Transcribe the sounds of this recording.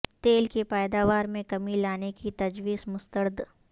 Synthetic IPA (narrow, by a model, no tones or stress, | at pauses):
t̪eːlkepaːd̪aːʋaːɾmẽkɐmilaːnekit̪ɐd͡ʒwiːzmʊst̪əɾd̪